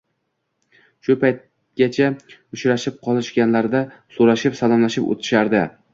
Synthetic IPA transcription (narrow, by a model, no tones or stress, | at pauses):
ʃʊpʰajt̪̚ | ɡʲat͡ʃʰaʊt͡ʃʰɾaʃɪp̚qʰɒlˠɪʃɡʲanlaɾd̪asoɾaʃɪpsalˠɒmlaʃɪpo̰t̪ʰɪ̥ʃaɾd̪ɪ